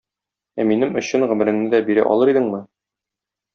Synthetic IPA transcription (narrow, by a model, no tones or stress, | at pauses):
æminɘmɵ̆ɕɘnʁɵ̆mɘ̆ɾɘ̆ŋnɘd̪æbiɾæ̰ʔɒ̰lˠɤɾid̪ɘŋmɘ